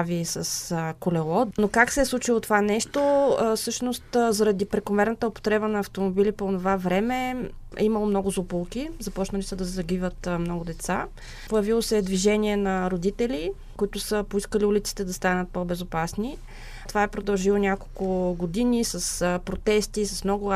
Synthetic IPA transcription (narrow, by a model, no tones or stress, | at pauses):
visɐskolɛlˠɔnokaksɛɛslˠut͡ʃilˠot̪ovanɛʃt̪ofsɤʃnost̪zɐɾɐd̪ipɾɛkomɛɾnət̪əopo̥t̪ɾɛbənɐːft̪omobiliponovavɾɛmɛɛ̰imɐlˠomnɔɡʊzopolˠkʲizɐpɔt͡ʃnəlisəd̪ɐzɐɡivət̪mnɔɡʊd̪ɛt̪sa | pojɐvilˠosɛd̪viʒɛniɛnɐɾod̪it̪ɛlʲi | kʊit̪ʊsəpoiskəliulʲit̪si̥t̪ɛd̪ɐst̪anət̪̚pobɛzopasni | t̪ovaɛpɾod̪ɐlˠʒilˠonʲakolˠkʊɡod̪inisəspɾot̪ɛst̪isɐsmnɔɡʊ